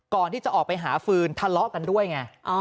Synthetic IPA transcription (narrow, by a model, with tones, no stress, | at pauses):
kɔː˨˩nt̪ʰiː˥˩t͡ɕa˨˩ʔɔː˨˩k̚pa˧jɦaː˩˦fɯː˧nt̪ʰa˧lɔ˦˥ʔka˧ndu˥˩əjŋa˧˩ʔ